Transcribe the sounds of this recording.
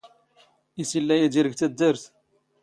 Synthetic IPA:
isilːæjæd̪iɾəɡt̪æd̪ːəɾθ

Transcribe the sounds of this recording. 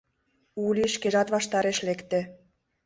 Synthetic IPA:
ulʲiʃkeʒɑt̪βɑʃt̪ɑɾeʃlekt̪ĕ

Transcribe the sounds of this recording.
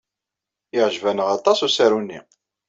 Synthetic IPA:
ɪʕʒvænəʁɑt̪ˤɑsusæɾunːḭ

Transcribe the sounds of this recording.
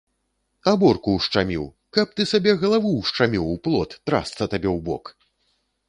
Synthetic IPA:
abɔrkuwʂt͡ʂamʲḭw | kɐp̚t̪ɨsabʲɛɣɐlˠavuwʂt͡ʂamʲiwuplˠɔt̪ːɾa̰st̪sɐt̪abʲɛwbɔ̰k

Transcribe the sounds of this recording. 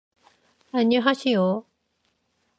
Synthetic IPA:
aɲːiɦaɕijo

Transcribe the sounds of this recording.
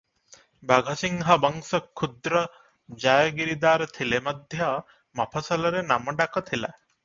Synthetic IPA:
baɡʱɐsiŋɦɐbɔŋsɔkʰːud̪ɾɔ | d͡ʒajɡiɾid̪aːɾt̪ʰilemɐd̪ʱjʌ | mɐpʰɐsɐlɐɾenamɔɖakɔt̪ʰila

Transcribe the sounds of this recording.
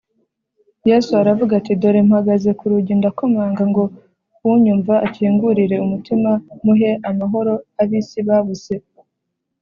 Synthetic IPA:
jesuaɾavuɡaatido̞ɾemhaɡaze̞kuɾuɟindako̞maːŋɡaŋɡo̞ | wuɲuːɱvaaciːŋɡuɾiɾe̞umutimamuɦe̞ʔamaɦo̞ɾo̞aβisiβaβuse̞

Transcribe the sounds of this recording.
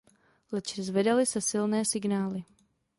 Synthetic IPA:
lɛt͡ʃzvɛdalɪsɛsɪlnɛːsɪɡnaːlɪ

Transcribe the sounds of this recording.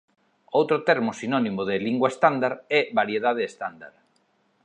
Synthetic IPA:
owt̪ɾʊt̪ɛɾmʊsinɔnimʊðɪliŋɡwaest̪and̪aɾɛβaɾjeðað̞eːst̪and̪a̰ɾ

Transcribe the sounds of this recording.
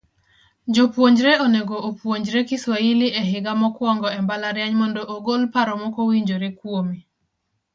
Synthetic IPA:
d͡ʒopwoɲd͡ʒɾeoneɡoːpwoɲd͡ʒɾekɪswailɪʔɛɦɪɡamɔkwɔŋɡɔɛmbalaɾjaɲmɔndoʔoɡolpaɾɔmɔkowiɲd͡ʒoɾekwomi

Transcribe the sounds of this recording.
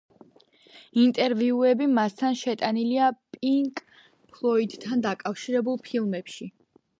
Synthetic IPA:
int̪ʼɛɾviuɛbimast̪ʰanʃɛt̪ʼaniliapʼiŋkʼ | pʰlˠɔid̪t̪ʰːand̪akʼafʃiɾɛbulˠpʰilˠmɛpʃi

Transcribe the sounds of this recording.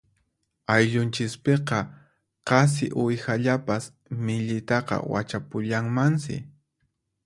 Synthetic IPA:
ajʎʊnt͡ʃɪspeqɑ | qɑs̬ɪ̰ʔʊjxaʎapas | mɪʎɪt̪ɑqɑ̰wa̰t͡ʃapʊʎaŋmansɪ̰

